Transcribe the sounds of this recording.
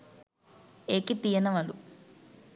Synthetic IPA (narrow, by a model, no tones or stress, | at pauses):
eːkit̪ijɐnɐʋɐlu